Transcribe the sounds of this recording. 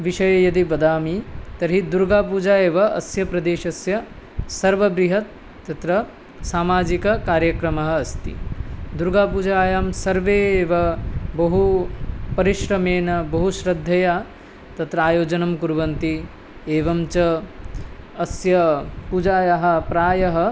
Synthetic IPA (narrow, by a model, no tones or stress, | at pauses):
ʋiʃɐjɐjɐd̪iʋɐd̪aːmit̪ɐɾɦid̪uɾɡaːpuːd͡ʒaːjeːʋɐɐ̰sjɐpɾɐd̪eːʃɐsjɐ | sɐɾʋɐbɾiɦɐt̪ː | ɐt̪ɾɐ | saːmaːd͡ʒikɐkaːɾjɐkɾɐmɐɦɐ̆ːst̪ḭd̪uɾɡaːpuːd͡ʒaːjaːmsɐɾʋeːʋɐbɐɦupɐɾiʃɾɐmeːnɐbɐɦuʃɾɐd̪ʱːɐjaː | t̪ɐt̪ɾɐaːjoːd͡ʒɐnɐmkuɾʋɐnt̪i | eːʋɐmt͡ʃɐ | sjɐpud͡ʒaːjaɦɐ̆pɾaːjɐɦɐ